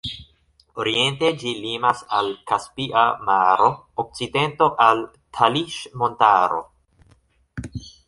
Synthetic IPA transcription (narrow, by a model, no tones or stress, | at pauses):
oɾie̞nte̞d͡ʒilimasalkaspiʔamaɾo̞ | ok̚t͡side̞nto̞ʔal | tʰaliʃmontaɾo̞̰